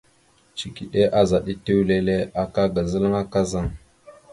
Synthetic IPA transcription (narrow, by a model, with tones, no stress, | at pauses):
t͡ʃi˨ki˨ɗe˦ʔa˦za˨ɗi˦te˦wle˦le˦a˨ka˦ɡa˨zə˦lə˦ŋa˦ka˦za˦˨ŋ